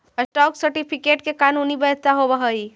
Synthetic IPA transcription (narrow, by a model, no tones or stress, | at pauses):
əsʈɔːksəɾʈipʰikeːʈkekaːnuːnibət̪aɦobəɦəi